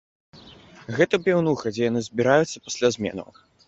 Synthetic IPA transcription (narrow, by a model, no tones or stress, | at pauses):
ɣɛt̪ɐpʲɛwnuxɐd͡zʲɛjanɨzʲbʲiɾajut̪sːɐ̥pḁsʲlʲazʲmʲɛ̰nɐ̰w